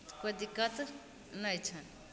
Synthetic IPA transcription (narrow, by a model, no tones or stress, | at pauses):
kod̪ikət̪ | nəjt͡ʃʰʌn